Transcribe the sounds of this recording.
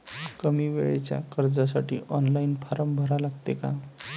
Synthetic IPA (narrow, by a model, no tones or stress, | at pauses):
kəmiʋeɭet͡ɕja̰kəɾd͡zasaʈiːʔɔnlainpʰaɾəmbʱəɾalaɡt̪eka